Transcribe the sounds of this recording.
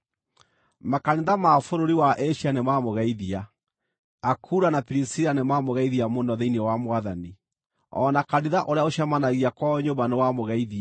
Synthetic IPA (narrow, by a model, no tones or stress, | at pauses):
makaniðamafoɾoɾiwaʔeʃianemamoɣɛiðiaː | kʰuːɾanapiɾisiɾanemamoɣaiðiamonɔðeinewamwaðani | ɔ̰nakaɾiðaʔoɾeaoɕjamanaɣiakwaɲobanewamoɣɛiðia